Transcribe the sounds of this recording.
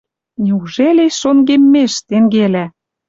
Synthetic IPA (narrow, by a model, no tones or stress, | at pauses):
nʲiuʒeleʃonɡemːeʃt̪eŋɡelæ